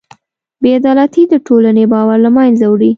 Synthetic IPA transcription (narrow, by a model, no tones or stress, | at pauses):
bead̪ɑlat̪id̪əʈolanebɑwaɾlamanzawɽi